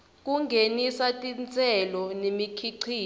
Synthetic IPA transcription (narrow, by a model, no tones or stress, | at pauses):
k̬ʼuŋɡʱenisatʼint͡sʼɛlɔnemikʰiǀʰiː